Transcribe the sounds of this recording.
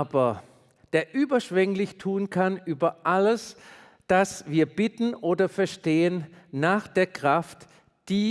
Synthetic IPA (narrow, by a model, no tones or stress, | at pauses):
bɐ | d̥eːɐʔyːbɐʃv̥ɛŋlɪçtʰuːnkʰanʔyːbɐʔaləs | d̥asv̥iːɐbɪtn̩ʔoːdɐfɛɐʃteːənːaːχd̥eːɐkʁ̥aft | d̥iː